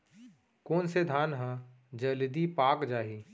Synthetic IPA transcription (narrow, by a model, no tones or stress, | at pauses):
koːnsed̪ʱaːnɦã | d͡ʒəlɪd̪ipaːkd͡ʒaːɦiː